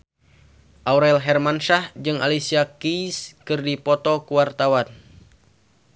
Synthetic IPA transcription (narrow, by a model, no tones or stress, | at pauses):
ʔauɾailɦɛrmanʃahd͡ʒɨŋa̰lisiakiskɨrdipɔt̪ɔkuwart̪awan